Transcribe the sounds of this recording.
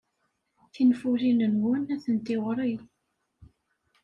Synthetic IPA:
θinfuɾinənwənæθənt̪ɪʁɾˤij

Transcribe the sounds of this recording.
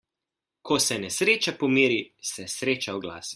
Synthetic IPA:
kʰɔsɛnɛsɾeːt͡ʃapɔmiːɾisɛsɾeːt͡ʃawɡla̰ːsi̥

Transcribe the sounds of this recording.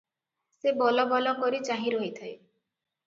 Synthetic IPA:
sebɔlɔbɔlɔkɔɾit͡ʃaɦĩɾɔɦit̪ʰaj

